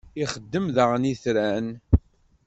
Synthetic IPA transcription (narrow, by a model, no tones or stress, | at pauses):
iχəd̪ːəmðəʁəniθɾæn